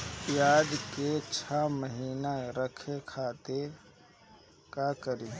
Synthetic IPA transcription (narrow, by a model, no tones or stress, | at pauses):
jaːd̪ket͡ʃʰaməɦiːnaɾəkʰekʰaːt̪e | kakəɾiː